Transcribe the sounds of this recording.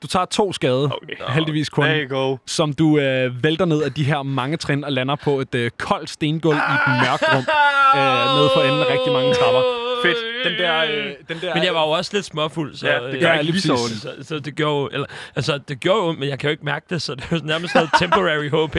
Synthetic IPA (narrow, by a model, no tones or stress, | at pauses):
d̥ut͡sʰɑ̰̈ːt͡sʰo̝̰ːsɡ̥ɛːð̞ˠɐokɦeld̥iʋḭːskʰɔnɡ̥osɒ̽md̥uøʋeld̥ɐne̝ð̞̰ˠæd̥iɦeɐ̰mɑ̈ŋət͡sʰʁenɒ̽lænɐpʰɒ̽e̝d̥økʰɒ̽l̰d̥sd̥e̝ːnɡ̥ɔlied̥mœɐɡ̥ʁɔ̽m̰øneð̞ˠfɒ̽en̩eʁɛɡ̥̚d̥imɑ̈ŋət͡sʰʁɑ̈b̥ɐfed̥d̥end̥ɛɐ̰d̥end̥ɛɐmenjäɪʋɑ̈jo̝ɒ̽sled̥smɔful̰sɒ̥æli̥sissɒd̥e̝ɡ̥joɐjoʔelɐælsɐd̥e̝ɡ̥joɐjomenjɑ̈ɪkʰæjo̝e̝ɡ̥mæɐɡ̥əd̥e̝sɒ̽d̥enæɐməsd̥noð̩ˠt͡sʰemboʁɛʁiɦɔ̰ːb̥